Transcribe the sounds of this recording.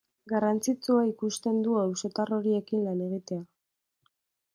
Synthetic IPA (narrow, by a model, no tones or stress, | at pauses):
ɡarant͡sit͡suaikust̪e̞nd̪uawso̞t̪aro̞ɾie̞kinlane̞ɣit̪e̞a